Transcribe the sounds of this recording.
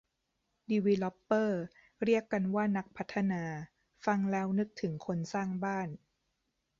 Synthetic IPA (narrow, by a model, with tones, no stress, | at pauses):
diː˧wi˧lɔ˦˥pːɤː˥˩ | ɾi˥˩əkːa˧nwaː˥˩na˦˥k̚pʰa˦˥t̪ʰːa˧naː˧ | fa˧ŋlɛː˦˥wnɯ˦˥k̚t̪ʰɯ˩˦ŋkʰo˧nsaː˥˩ŋbaː˥˩n